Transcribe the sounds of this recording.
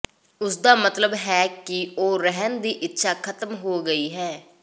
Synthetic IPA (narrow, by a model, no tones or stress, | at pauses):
ʊsd̪aːmət̪ləbɦɛːkɪoːɾɛɦənd̪iːʔɪtːʃʰaːkʰət̪əmɦoːɡəiːɦɛː